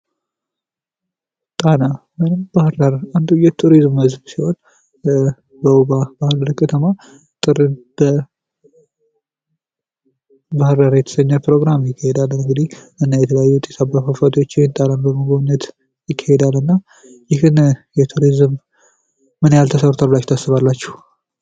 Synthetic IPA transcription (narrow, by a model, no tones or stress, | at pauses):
t̪ʼana | mɨnɨmbahɾdəɾand̪ujɛt̪ʰuɾizmməzbsiho̞n | bəbabahɨɾəɾkʰʼːət̪ʰəma | t̪ʼɨɾɨnb̥ə | bahɾd̪aɾjɛt̪ʰə̥səɲːapʰɾo̞ɡɾamjɪkʰːahed̪alːənɨŋɡɨd̪ihʔɨnːajɛt̪ʰələjajːut̪ʼet̪ʰabafafat̪ʰiwot͡ʃːjɪhent̪ʼalanbəməɡoβɨnːət̪ | jɪkʰːahed̪alːɨnːa | jɪhɨnjɛt̪ʰuɾizmː | ɨnjalt̪ʰəsərut̪ʰalblat͡ʃːt̪ʰasːɨβalːat͡ʃːɛh